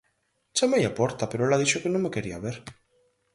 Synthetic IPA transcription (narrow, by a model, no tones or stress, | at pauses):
t͡ʃamejapɔɾt̪apeɾoelaðiʃokɪnõŋmekeɾiaβeɾ